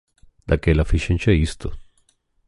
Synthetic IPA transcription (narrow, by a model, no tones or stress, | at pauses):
d̪akelafiʃɛnt͡ʃɛist̪ʊ̰